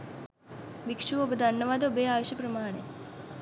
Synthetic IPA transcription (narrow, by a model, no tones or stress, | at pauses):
bikʂuʋobɐd̪ʱɐnːɐʋaːd̪obeːaːʋoɕjɐpɾɐmaːɳe